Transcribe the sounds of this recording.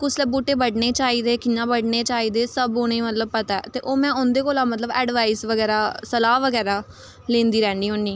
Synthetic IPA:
kʊsləbuːʈeːbəɖneːt͡ʃaːiːd̪eːkɪjãːbəɖneːt͡ʃaːiːd̪eːsəbɦʊñẽːmət̪ləb̚pət̪aɛːt̪eːʔoːmɛ̃ːʊnd̪eːkoːlãːmət̪ləbɛ̰ːɖʋaːisʋəɡɛːɾaːsəlaːʋəɡɛːɾaː | lẽːnd̪iːɾɛ̃ːɳɖiːɦʊɳɖiː

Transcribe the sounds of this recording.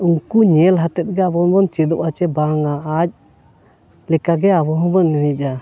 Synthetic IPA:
uŋkuɲɛlɦat̪ɛt̪̚ˀɡɛabɔnbɔnt͡ʃɛd̪ɔʔat͡ʃɛbaŋaːc̚ | lɛkaɡɛabɔɦɔbɔnːɛɦɛc̚ˀa

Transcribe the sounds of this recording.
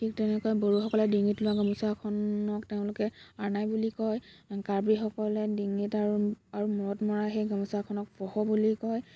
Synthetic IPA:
tʰik̚tɛnɛkɔjboɹuxɔkɔlɛdiŋitlʊaɡɔmusakʰɔnɔkteʊ̃lʊkɛaɹnajbulikɔj | kaɹbɹixɔkɔlɛdiŋitaɹuaɹumɔɹɔtmɔɹaxejɡamusakʰɔnɔk̚bɔhɔbulikɔj

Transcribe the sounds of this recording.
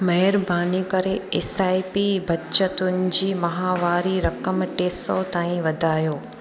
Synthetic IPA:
mɐɦəɾbʱaːnikɐɾeeːsaːipibɐt͡ʃət̪ʊnɪ̆d͡ʑiːmɐɦaːʋaːɾiɾɐkəmʈeːsɔt̪aːĩʋɐd̪ʱaːjoː

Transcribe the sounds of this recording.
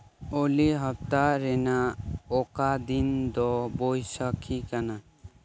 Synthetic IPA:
oliɦəp̚t̪aɾɛnaɔkad̪ind̪ɔbojsəkʰikana

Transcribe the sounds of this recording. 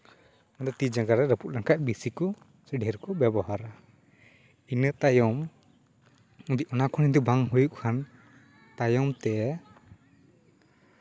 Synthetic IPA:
nad̪ɔt̪id͡ʒaɡaɾɛɾəpuʔ̪̚laŋkaʔ̚bisikɔ | səɖɛɾkɔbjɛbɔɦaɾa | inət̪ajɔm | ud̪iʔɔnakʰɔnind̪ubaŋɦujuʔ̚kʰan | t̪ajɔmt̪ɛ

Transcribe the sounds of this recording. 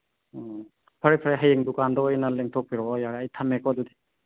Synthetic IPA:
pʰɐɾepʰaɾeɦajeŋdukandɔːjnaleŋtʰɔk̚piɾɔɔjaɾeajtʰamekʰɔdude̥

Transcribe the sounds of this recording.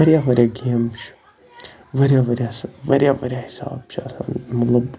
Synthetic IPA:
ɐɾʲjaːʋɐɾʲjaɡeːmt͡ʃʰ | ʋɐɾʲjaːʋɐɾʲjasʋɐɾjaːʋɐɾʲjaːhi̥sa̰ːbt͡ʃʰɐsa̰ːnmɐt̪lɐb

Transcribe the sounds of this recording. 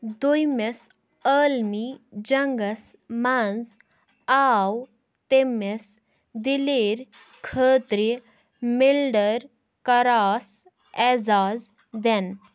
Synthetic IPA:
d̪ujmes | əːlmid͡ʒɐŋɡəs | mand͡z | aːw | t̪emes | d̪ileːɾ | kʰəːt̪ɾi | milɖəɾ | kɐɾaːs | ɛːzaːz | d̪ɛn

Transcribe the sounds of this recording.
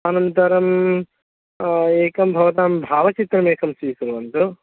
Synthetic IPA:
anɐmt̪ɐɾɐm | eːkɐmbʱɐʋɐt̪aːmbʱaːʋɐt͡ʃit̪ɾɐmeːkɐmsiːkuɾʋɐnt̪u

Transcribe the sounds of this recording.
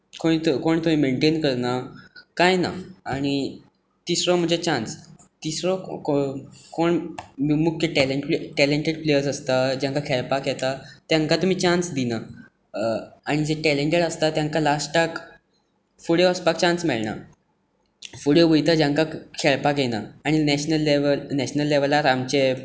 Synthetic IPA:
kõit̪koɳt̪um̤iːmeɳʈenkəɾnakajna̰aɽ̃i | t̪isɾɔm̤əd͡ʑet͡ɕãnst̪isɾɔkokoɳmmukʰjəʈɛleeʈɛleɳʈeɽplejəɾsəst̪ad͡ʑãŋkakʰɛɾpakjɛt̪at̪jãŋkat̪um̤iːt͡ɕãnsd̪ina | aɽ̃id͡ʑeʈɛleɳʈeɽəst̪at̪jãŋkalasʈʈak | fuɽeɔspak̚t͡ɕãnsmɛɭna̰ | fuɽeʋəjt̪ad͡ʑãŋkakʰɛɭpakjɛnaːɽ̃inɛɕnəlːeʋəlnɛɕnəlːeʋəlaɾamt͡ɕe

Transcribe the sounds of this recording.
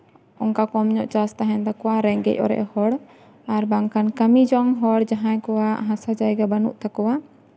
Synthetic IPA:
ɔŋkakɔmɲɔʔt͡ʃast̪aɦɛnd̪akɔwaɾɛŋɡɛ̰c̚ɔ̰ɾɛ̰ʔhɔɽ | aɾbaŋkankəmid͡ʒɔŋɦɔɽd͡ʒaɦãjkɔwaɦãsad͡ʒajɡabanṵʔt̪akɔwa

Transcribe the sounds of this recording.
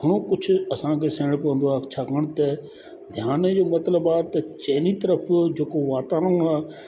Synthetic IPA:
ɦəɽ̃õːkʊt͡ʃʰɐsãːkʰeːsẽːɽpəʋə̃nd̪oaːt͡ʃʰaːkəɽ̃t̪e | d̪ʱjaːned͡ʒoːmɐt̪ləbaːt̪ɐt͡ʃeːniːt̪əɾəpʰd͡ʒeːkoʋaːt̪aːɾəaː

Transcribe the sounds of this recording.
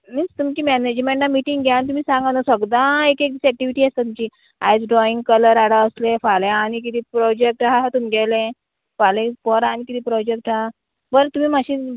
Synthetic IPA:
nit͡st̪umt͡ɕiːmɛned͡ʑmẽɳʈnamiʈiŋɡɡanit̪um̤iːsãŋɡanasəɡd̪ãekek̚d̪isæk̚ʈiʋiʈiːast̪at̪umt͡ɕiː | ajd͡zɖɾɔiŋɡkələɾaɽaəslẽfalẽanik̬it̪iːpɾɔd͡ʑek̚ʈɦat̪umiɡɛlẽ | falẽpəɾañikit̪iːpɾɔd͡ʑek̚ʈɦa | bəɾət̪um̤iːmaɕi

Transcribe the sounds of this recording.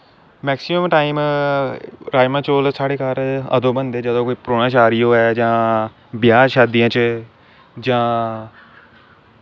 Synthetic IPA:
mɛːksɪməmʈaːim | ɾaːd͡ʒmãːt͡ʃoːlsaːɽeːkaːɾə̰d̪õːbənd̪eːd͡ʒəd̪õːkoːiːpɾoːnaːt͡ʃaːɾɪjoːɛːd͡ʒãː | bɪjaːɾʃaːd̪ijãːt͡ʃ | d͡ʒãː

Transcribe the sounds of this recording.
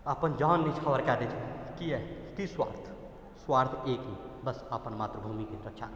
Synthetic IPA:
əpənd͡ʒɔːnːit͡ʃʰəʋəɾkɛːd̪et͡ʃʰekiɛt̪iswa̰ːɾt̪ʰ | swaːɾt̪ʰeːkɦibəsəpənmaːt̪ɾəbʱuːmikisɾət͡ʃʰaː

